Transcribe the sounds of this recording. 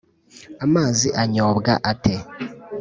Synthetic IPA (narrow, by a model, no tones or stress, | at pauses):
amaːziʔaɲoːβɡa̰ʔatʰe